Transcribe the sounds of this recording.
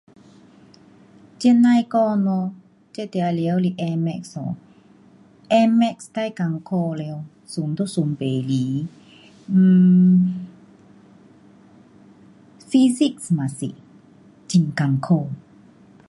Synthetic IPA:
t͡ɕɛ˧˥na˧jkɔ˧nɔ˧ | t͡ɕe˧˨t̪ɛ˧a˧le˧ə˦˧wli˧ʔɛ˧mɛ˧ksɔ̰˨ | ʔɛ˧mɛ˧˨kst̪a˧˨jka˧ŋkʰo˧le˧w | su˨˦mt̪u˦˧su˨˦mpe˨li˨˦˧ | fi˧si˦˧ksma˨sḭ˨ʔ | t͡ɕi˧ŋka˨ŋkʰo˧

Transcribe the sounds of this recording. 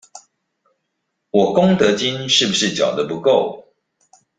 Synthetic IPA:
wɔ˨˩kʊ˥ŋt̪ɤ˧˥t͡ɕi˦nʂɻ̩˥˩bu˩ʂɻ̩˥˩t͡ɕjɑ̰˨˩ʊd̪ə˦pu˧˦ko˥˨ʊ

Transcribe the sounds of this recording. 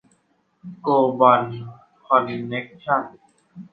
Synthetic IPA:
koː˧ba˨n | kʰɔ˧˩nːe˦k̚t͡ɕʰa˥˨n

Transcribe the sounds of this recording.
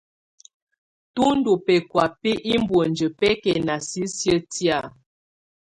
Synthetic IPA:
tu˦n̩˦du˨pɛ˨kwa˨pi˦ʔi˦m˦bwə˨n˨d͡ʒə˨pɛ˦kɛ˨na˨si˦sjə˦tja˦˨

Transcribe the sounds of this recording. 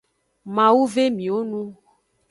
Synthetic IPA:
mã˨wu˦ve˦mĩ˨wo˦nũ˦

